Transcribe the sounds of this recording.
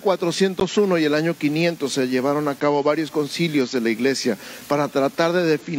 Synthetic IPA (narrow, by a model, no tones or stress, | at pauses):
kwat̪ɾo̞sje̞nt̪o̞suno̞ie̞laɲo̞kinje̞nt̪o̞sːe̞ʝe̞β̞aɾo̞nakaβo̞βaɾjo̞sko̞nsiljo̞zðe̞laiɣle̞sjapaɾat̪ɾat̪aɾðe̞ð̞e̞fin